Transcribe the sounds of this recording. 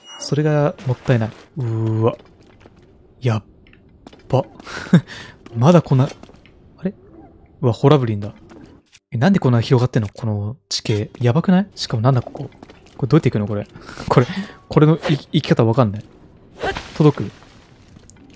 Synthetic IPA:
so̞ɾe̞ɡamo̞t̪ːaenaiɯ̟βa | ja | pːa | mad̪ako̞nːa | aɾe̞ | ɯ̟βaho̞ɾabɯ̟ɾʲĩnd̪a | enãnd̪e̞ko̞nːaçiɾo̞ɡat̪ːe̞nːokʰo̞no̞t͡ɕi̥ke̞ːjabakɯ̟naiɕi̥kamo̞nãnd̪akokoː | koed̪o̞it̪eikɯnoko̞ɾe̞kʰo̞ɾeko̞ɾeno̞iikʲi̥kat̪aβakanːai | t̪o̞d̪o̞kɯ̟

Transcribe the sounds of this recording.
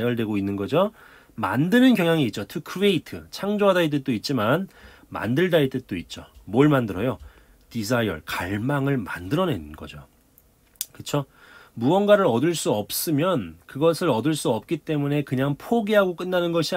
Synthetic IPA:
jʌɭdwe̞ɡoinːɯnɡʌd͡ʑo | ma̰ndɯnɯnkjʌŋjaŋiːt̚t͡ɕ͈otʰɯkʰɯe̞itʰɯt͡ɕʰaŋd͡ʑoɦadait̬͈ɯt͈oit̚t͡ɕ͈iman | ma̰ndɯɭdait͈ɯk̚t͈oit̚t͡ɕ͈o̰moɭmandɯɾʌjo | tis̬ʰajʌ̰ɭkaɭmaŋɯɭmandɯɾʌne̞nɯnɡʌ̰d͡ʑo | kɯt͡ɕʰo | muwʌnɡaɾɯɾʌdɯɭs͈uʌp̚s͈ɯmjʌnkɯɡʌsʰɯɾʌdɯɭs͈uʌp̚k͈it͈e̞mune̞kɯɲaŋpʰoɡeɦaɡok͈ɯnːanɯnɡʌɕʰi

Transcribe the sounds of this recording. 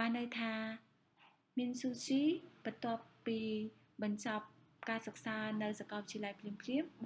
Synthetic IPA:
aːnːɨwt̪ʰaː | miənsuːt͡ɕiːpət̪ŏəpːiː | ɓɑɲt͡ɕɑp̚ | kaːsək̚saːnɨwsakɑːʋit͡ɕʰiəlajpʰliəmpʰliəm

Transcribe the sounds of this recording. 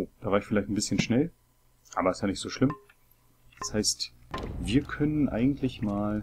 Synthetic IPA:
oːd̥aːvaːɐɪçfɪlaɪçtn̩bɪsçənʃnɛl | ʔaːbɐɛsjaːnɪçtz̥oːʃlɪm | d̥ashaɪstviːɐkʰœnənʔa̰ɪɡŋ̩tlɪçmaːl

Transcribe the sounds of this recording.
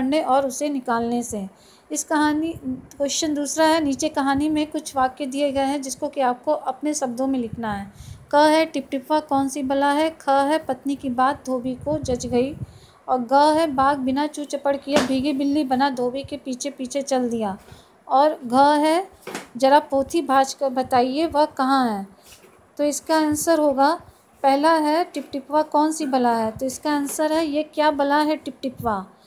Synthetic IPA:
ɽneʔɔːɾʊsenɪkaːlnese | ɪskɐɦaːnikoːʃɪʃənd̪uːsɾaɦɛniːt͡ʃekɐɦaːnimẽkʊt͡ʃʰʋaːked̪ieɡɐeɦɛ̃d͡ʒɪskõkiaːp̚koʔɐpneʃɐb̚d̪õmẽlɪkʰnaɦɛːkɐɦɛʈɪp̚ʈɪpakɔːnsibɐlaɦɛkʰɐɦɛpɐt̪nikibaːt̪̚d̪ʱoːbikod͡ʒɐt͡ʃɡɐi | ɔːɾɡɐɦɛbaːɡ̚bɪnat͡ʃũːt͡ʃɐpːəɽkiebʱiːɡebɪlːibɐnad̪ʱoːbikepiːt͡ʃʰepiːt͡ʃʰet͡ʃɐld̪ijaː | ɔːɾɡʱəɦɛd͡ʒɐɾapoːt̪ʰibʱaːʃkbɐt̪aːieʋɐɦkɐɦãɦɛ̃ː | t̪oɪskaɐnsəɾɦoːɡa | pɛɦlaɦɛʈɪp̚ʈɪpʋakɔːnsibɐlaɦɛt̪oɪskaɐnsəɾɦɛjekjaːbɐlaɦɛʈɪp̚ʈɪpʋa

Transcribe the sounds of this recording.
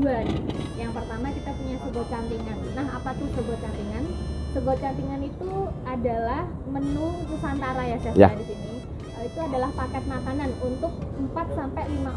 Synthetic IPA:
uanjaŋpərt̪amakit̪apuɲasəbɔt͡ʃampiŋannaɦapat̪ʊhsəbɔt͡ʃampiŋansəbɔt͡ʃampiŋanit̪uadalah | mənukusant̪aɾajasajaadisini | kaloit̪uadalahpakɛt̪̚mak̪ananunt̪ʊk̚əmpat̪̚sampɛlima

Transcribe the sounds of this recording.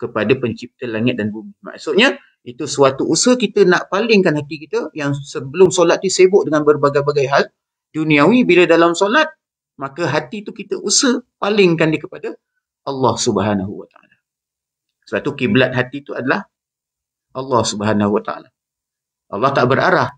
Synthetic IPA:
kəpadapəɲt͡ʃip̚t̪əlaŋɪt̪̚danbumima̰ʔsʊt̪̚ɲə | it̪usuat̪uʔusəhkit̪ənaʔpalɪŋkanhat̪ikit̪əjaŋsəbəlʊmsolat̪̚nisebʊʔdəŋanbərbaɡajbaɡajɦal | d̥unĩawibilədalamsolat̪̚ | makəɦat̪it̪ukit̪əʔusəpalɪŋkandikəpada | ʔɑlːɑhsubəɦanaɦuwa̰t̪aa̰la | səbaʔt̪ukiblat̪̚ɦat̪it̪uadalah | ɑlːɑhsubəɦanahuwat̪a̰a̰la | ʔɑ̰lːɑht̪aʔbəɾa̰ɾah

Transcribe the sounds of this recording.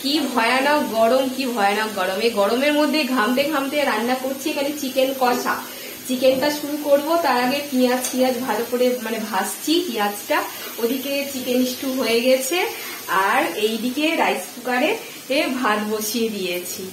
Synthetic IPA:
kibʱɔeanaɡɔɽomkibʱɔeanɔɡɔɽomeɡɔɽomeɾmod̪ʱːeɡʱamt̪eɡʱamt̪eɾanːakoɾt͡ɕʰiekʰanet͡ɕikenkɔʃʰa̰ | t͡ɕikenʈaʃuɾukoɾbot̪aɾaɡepiat͡ɕkiad͡ʑbʱaɾopoɾemanebʱast͡ɕʰikijad͡ʑʈa | od̪ʱiket͡ɕikeniʃʈuɦojeɡɛt͡ɕʰe | aɾejɖikeɾajspukaɾe | bʱaɾboʃied̪ijet͡ɕʰi

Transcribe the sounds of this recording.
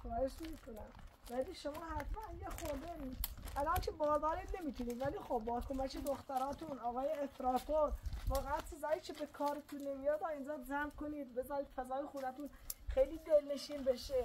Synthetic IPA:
kʰɑːheʃnemiːkʰonæm | væliːʃomɑːɦæɾfænjexoɾd̪eniːʔælɑːnt͡ʃʰebɒːd̪ɒːɾid̪ne̞miːt̪ʰuniːd̪væliːxobːɒːkʰomækʰed̪oxt̪æɾɒːt̪ʰunɒːɣɑːjeestɾɑːt̪ʰoɾvɒːɣeænsezɑːjiːkʰebekʰɒːɾet̪ʰunːemijɑːd̪ɑːind͡ʒɑːzæmkoniːd̪bezɑːɾiːd̪̥fæzɒːjexuːnæt̪unxejliːd̪elneʃiːnbeʃe

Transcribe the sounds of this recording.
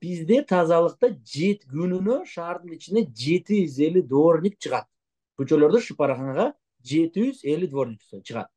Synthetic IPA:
b̥izd̪e̞t̪ʰɑzɑlˠɯq̚t̪ɑd͡ʒe̞t̪ɡynynø̞ʃɑːɾd̪ɯnit͡ʃind̪e̞d͡ʒe̞t̪iyze̞lid̪o̞ɾnʲik̚t͡ʃʰɯʁɑt̪̚ | qyt͡ʃølˠo̞ɾd̪uʃɯpɑɾʁɑɴʁɑ | d͡ʒe̞t̪iyze̞lid̪vo̞ɾnʲikst͡ʃʰɯʁɑ̰t̪̚

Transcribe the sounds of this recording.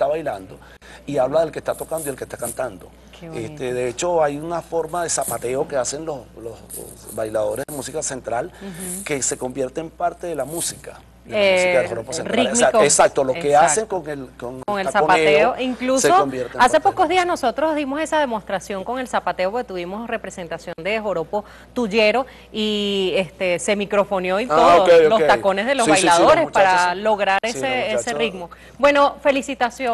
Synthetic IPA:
t̪aβajland̪o̞ | iaβlaðe̞lkest̪at̪o̞kand̪oielkehst̪akant̪and̪o̞̰ | kest̪eðe̞et͡ʃo̞ajunafo̞ɾmaðe̞sapat̪e̞oke̞ase̞nlo̞slosbajlaðo̞ɾeðemusikase̞nt̪ɾalke̞se̞ko̞mbje̞ɾt̪eːmpaɾt̪e̞ðelamusika | deasikaðehoɾoposenaiesak̚t̪olokease̞ŋkoŋelkoŋkoŋelsapat̪eoiŋklusombjeɾase̞po̞ko̞zðiasno̞so̞t̪ɾo̞zðimo̞se̞saðe̞mo̞st̪ɾasjo̞ŋko̞ŋe̞lsapat̪e̞opɾket̪uβimo̞sre̞pɾe̞se̞nt̪asjo̞nd̪e̞xoɾo̞po̞ | t̪uʝe̞ɾo̞ | iest̪e̞se̞mikɾo̞fo̞njo̞iookeoloset̪ako̞nezðe̞lozβajlaðo̞ɾespaɾalo̞ɣɾaɾeseeseriɡmo̞ | bwe̞no̞fe̞lisit̪asjo

